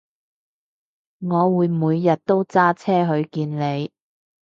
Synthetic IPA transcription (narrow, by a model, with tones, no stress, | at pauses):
ŋɔː˨˧wuː˨˧jmuː˨˧jːɐ˨t̚t̪o˥wt͡saː˥t͡sʰɛː˥ɦɵ˧ɥkiː˧nle˨˧j